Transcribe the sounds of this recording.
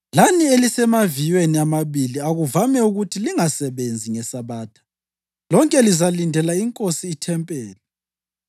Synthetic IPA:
lanielisɛmavijweniamaβiliaɣuvamɛuɣutʰiliŋasɛβend͡zʱiŋɛsaβaːtʰḁ | lɔŋkʼɛlizalindʱɛlaiŋkʼosiːtʰɛmpʼɛːlɛ

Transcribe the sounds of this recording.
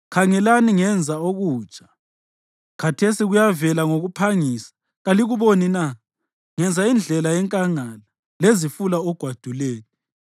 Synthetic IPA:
kʰaŋɛlaniŋɛnd͡zʱaoɣuːt͡ʃʼḁ | kʰatʰesiɣujavɛlaŋoɣupʰaŋisḁ | ɣaliɣuβonina | ŋɛnd͡zʱaind͡ɮʱɛlajɛŋkʼaŋala | lezifulaɔɡ̥ʱwad̥ʱulɛːɣɔ

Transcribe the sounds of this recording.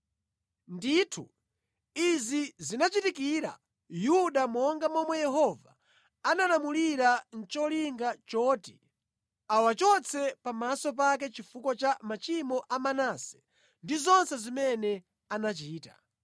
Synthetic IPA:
nditʰu | izizinat͡ʃitikiːɾa̰ | juɗamɔŋɡamɔmwɛjɛɦɔva̰ | analamuliɾan̩t͡ʃɔliŋɡat͡ʃɔːti̥ | awat͡ʃɔt͡sʰɛpamasɔp̬ak̬ɛt͡ʃifukɔt͡ʃamat͡ʃimɔʔamanasɛ̥ | ndizɔnsɛzimɛnɛ | anat͡ʃiːta

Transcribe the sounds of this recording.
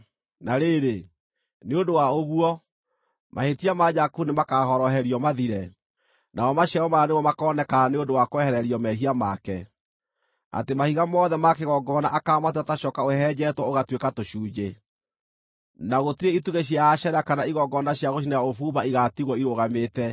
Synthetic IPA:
naɾeɾe | neondowaoɣuɔ | mʔahetiamad͡ʒakunemakahɔɾɔɦɛɾiɔmaðiɾɛ | nʔaɔmaɕjaɔmanemɔmakɔnɛkaaneondowakoɛhɛɾɛɾiɔmɛɦiamakɛ | a̰temahiɣamɔðɛmakeɣɔɡɔnaʔakamateataʃɔːkaohɛd͡ʒɛtwɔoɣatwekatoʃuːd͡ʒe | naɣotiɾeituɣeɕ̬iaːʃɛɾakanaiɣɔɡɔnaɕjaɣoʃ̬inajaofuːβaiɣatiɣwɔiɾoɣametɛ

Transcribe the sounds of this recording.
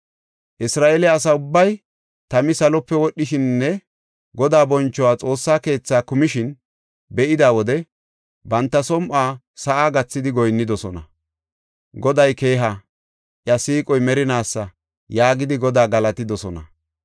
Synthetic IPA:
ʔɪsɾaːʔɛlɛːs̬ɐʊbːɐj | t̪ɐmɪsɐlɔpːɛwɔɗːɪʃɪnːɛ | ɡɔd̪aːbɔnt͡ʃːɔwaːt͡sʼo̞ːsːaːke̞ːt͡sːaːkʊmɪʃɪn | bɛʔɪd̪aːwɔd̪ɛ | bɐnt̪ːɐsɔmʔaː | sɐʔaːɡɐt͡sːɪd̪ɪɡɔjnːɪd̪ɔsɔnɐ | ɡɔd̪ɐjke̞ːɦa | ʔjɐsiːkʼɔjmɛɾɪnaːsːɐ | jaːɡɪd̪ɪɡɔd̪aːɡɐlɐt̪ɪd̪ɔsɔnɐ

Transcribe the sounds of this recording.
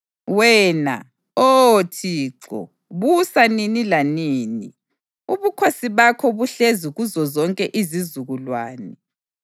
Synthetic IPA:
wɛːna̰ | otʰiːǁɔ̰ | βusaninilaniːnḭ | uβukʰosiβakʰɔβuɬeziɣuzɔzɔŋkʼɛʔizizuɣulwaːnɛ

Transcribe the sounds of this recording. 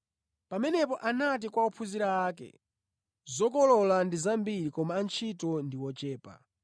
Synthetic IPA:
pamɛnɛpɔʔanat̬ikwaupʰuziɾaːkɛ̰ | zɔkɔlɔlandizambiɾikɔmaːnt͡ʃʰitɔndiwɔt͡ʃɛːpa̰

